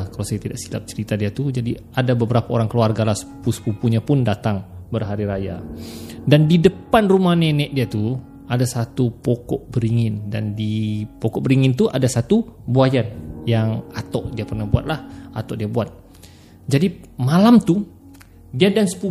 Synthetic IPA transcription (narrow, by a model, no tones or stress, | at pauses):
kalasajat̪idaʔsila̰p̚t͡ʃəɾit̪adiat̪ud͡ʒadi | adabəbəɾapaoɾaŋkəluarɡalahsə̥upusə̥pupuɲapʊndat̪aŋbərɦaɾiɾaja̰ | dandidəpanrumahnɛnɛʔdiat̪u | adasat̪upɔkɔʔbəɾiŋɪndandipɔkɔʔbəɾiŋɪnt̪uʔadasat̪ubuajanjaŋat̪ɔʔdiapərnahbua̰t̪̚lahat̪ɔʔdiabuat̪̚ | d͡ʒadimalamt̪u | diadansə̥pu